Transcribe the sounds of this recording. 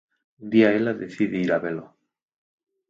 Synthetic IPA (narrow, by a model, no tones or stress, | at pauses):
nd̪iaelaðeθiðeiɾaβelo